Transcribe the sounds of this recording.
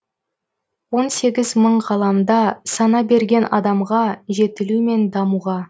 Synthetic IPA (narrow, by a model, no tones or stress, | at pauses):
wo̞nse̞ɡʲɪzməɴʁɑlˠɑmd̪ɑsɑnɑbe̞ɾɡʲe̞nɑ̰d̪ɑmʁɑʒe̞t̪ɪlume̞nd̪ɑmuʁɑ